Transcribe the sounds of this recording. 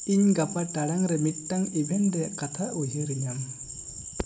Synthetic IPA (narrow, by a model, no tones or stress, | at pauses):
iɲɡapaʈaɽaŋɾɛmit̚ːaŋibʱɛndɛkat̪ʰaʔud͡ʒʱiɾiɲam